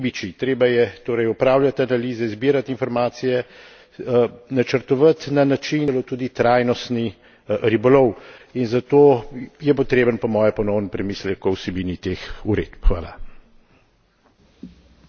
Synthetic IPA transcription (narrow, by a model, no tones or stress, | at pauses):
bit͡ʃit̪ɾeːbajɛt̪oːɾɛjɔpɾaːwlʲjʲat̪analiːzɛzbiːɾat̪infɔɾmaːt̪sijɛ | nat͡ʃəɾt̪ɔʋat̪nanat͡ʃinlot̪uːd̪it̪ɾaːjnɔst̪ni | ɾibɔlɔwinzat̪oːjɛpɔt̪ɾeːbənpɔmɔːjɛpɔnɔwnɔpɾɛmiːslɛkɔwsɛbiːnit̪exuɾḛːd̪pxʋa̰ːla̰